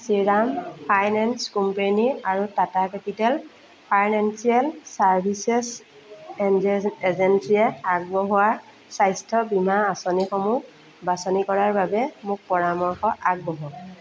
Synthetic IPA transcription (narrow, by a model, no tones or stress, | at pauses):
siɹampʰajnɛnskumpeniaɹutatakɛpitɛl | pʰajnɛnsiɛlsaɹbʱisɛs | ezɛnsiɛaɡ̚bɔɦʊwa | sajstʰɔbimaasonixɔmu | basɔnikɔɹaɹbabɛmʊk̚pɔɹamɔɹxɔʔaɡ̚bɔɦɔ